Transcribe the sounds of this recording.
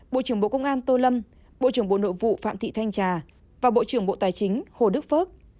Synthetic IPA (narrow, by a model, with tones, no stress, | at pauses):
ɓo̰˧˨t͡ɕɨ˧˩əŋɓo̰˧˨kə˧wŋ͡mʔaː˧nt̪o˧lə˧m | ɓo̰˧˨t͡ɕɨ˧˩əŋɓo̰˧˨no̰˧˨jvṵ˧˨fa̰ː˧˨mt̪ʰḭ˧˨t̪ʰa˧jŋ̟t͡ɕaː˨˩ | vaː˨˩ɓo̰˧˨t͡ɕɨ˧˩əŋɓo̰˧˨t̪aː˨˩jt͡ɕï˨˦ŋ̟ho˨˩ɗɨ˦˥k̚fəː˦˥t̚